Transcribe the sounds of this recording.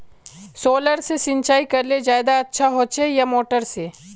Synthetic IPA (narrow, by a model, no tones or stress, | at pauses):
soːləɾsesɪ̃nt͡ʃaːikɐɾled͡ʒjaːd̪aɐtːʃʰaɦot͡ʃʰejamoːʈəɾse